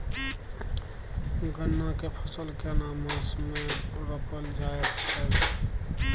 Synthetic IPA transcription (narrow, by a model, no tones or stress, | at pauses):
ɡənːakepʰəsəlkenamãsmeɾəkəld͡ʒaetsʰɛl